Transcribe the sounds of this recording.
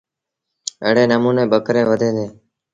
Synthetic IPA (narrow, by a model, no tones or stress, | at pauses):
ə̰ɽeːnəmuːneːɓəkɾẽːʋəd̪ʱẽːd̪eː